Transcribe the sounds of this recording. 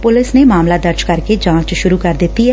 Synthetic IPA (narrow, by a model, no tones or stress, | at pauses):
pʊlɪsneːmaːmlaːd̪əɾd͡ʒkəɾkeːd͡ʒãːt͡ʃʃʊɾuːkəɾd̪ɪt̪ːiːɦɛː